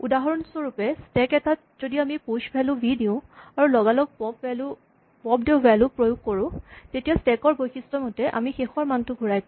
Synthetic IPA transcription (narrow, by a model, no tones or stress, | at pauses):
udaɦɔɹɔnsɔɹupɛstɛkɛtat̚ | zodiamiposbʱɛlʊ̃bʱidiʊ̃aɹulɔɡalɔk̚pɔbɛlu | pɔbdebʱalupɹojʊɡ̚koɹʊ̃tetijastɛkɔɹbojxistɔmotɛʔa̰mixexɔɹmantʊɡʱuɹajk